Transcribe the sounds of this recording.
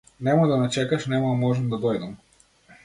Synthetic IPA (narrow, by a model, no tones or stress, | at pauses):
nɛmad̪anat͡ʃɛkaʃnɛmamɔʒɛmd̪ad̪ɔjd̪ɐm